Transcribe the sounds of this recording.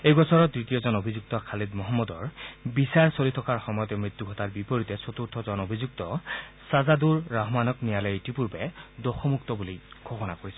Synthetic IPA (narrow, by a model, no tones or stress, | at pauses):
ejbɔsɔɹɔdɹitijɔzɔnobʱizuk̚tɔkʰalidmɔɦɔmːɔdɔɹbisaɹsolitʰɔkaɹxɔmɔjɔtɛmɹit̪ːuɡʱɔtaɹbipoɹitɛsot̪uɹtʰɔzɔnobʱizuktɔsazaduɹːaɦmanɔknijalɔjitipuɹbɛdɔxɔmuktɔbuliɡʱɔbɔna̰koɹisɛ